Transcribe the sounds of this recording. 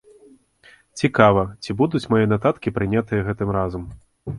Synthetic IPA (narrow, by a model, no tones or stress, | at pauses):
t͡sʲikavɐt͡sʲibud̪ut͡sʲmajɛnat̪at̪kʲipɾɨnʲat̪ɨjɐɣɛt̪ɨmɾazɐm